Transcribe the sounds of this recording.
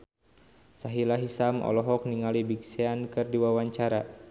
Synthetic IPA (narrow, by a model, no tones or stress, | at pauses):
saɦilaɦisamʔɔ̰lɔɦɔk̚niŋalibikseankɨrdiwawaɲt͡ʃaɾa